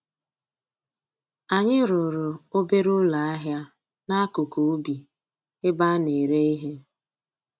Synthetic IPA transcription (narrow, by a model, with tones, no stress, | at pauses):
a˨ɲɪ˦ɾʊ˨ɾʊ˨o˦be˦ɾʊ˦la˨a˦ɦja˦ | na˦a˦kʊ˨ku˨u˦bi˨ | ɪ˦ba˦ne˨ɾe˦i˦ɦe˦